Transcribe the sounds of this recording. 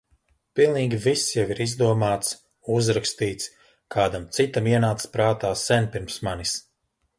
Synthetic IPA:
pilˠniːɡʲivisjaviɾizd̪uɔmaːt̪s | uzɾakst̪iːt̪s | kʰaːd̪amt̪sit̪amiɛnaːt̪spɾaːt̪aːsɛnpiɾmsmanis

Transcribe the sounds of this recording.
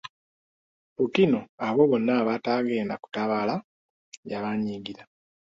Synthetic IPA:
pukino̞aβo̞βo̞nːaːβataɣeːndaku̥taβaːla | jaβaɲiːɡiɾa

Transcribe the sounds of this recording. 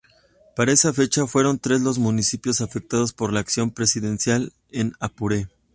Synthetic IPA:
paɾae̞safe̞t͡ʃafwe̞ɾo̞nt̪ɾe̞zlo̞zmũnisipjo̞safe̞k̚t̪aðo̞spo̞ɾlaːksjo̞mpɾe̞siðe̞nsjal | e̞napuɾe̞

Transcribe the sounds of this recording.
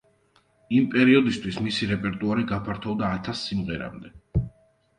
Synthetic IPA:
impʼɛɾiɔd̪ist̪ʰwismisiɾɛpʼɛɾt̪ʼuaɾiɡapʰaɾt̪ʰɔvd̪aːt̪ʰasːimʁɛɾa̰md̪ɛ

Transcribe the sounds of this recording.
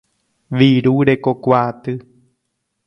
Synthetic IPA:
ʋiɾuɾe̞kokʷat̪ɨ

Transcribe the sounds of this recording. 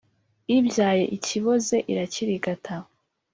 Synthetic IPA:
ibjaːje̞̰ʔiciβo̞ze̞ʔiɾaciɾiɡatʰao

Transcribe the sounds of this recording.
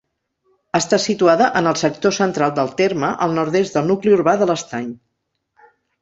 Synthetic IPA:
əst̪asit̪uaðəʔənəlˠsək̚t̪osənt̪ɾalˠd̪əlˠt̪erməʔəlˠnɔɾðezt̪d̪əlˠnukliuɾβaðələst̪aɲ

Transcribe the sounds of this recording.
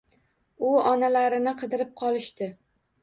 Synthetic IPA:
ʊɒnalaɾɪnɪqʰɨd̪ɪɾɪp̚qʰɒlˠɪʃt̪ɪ

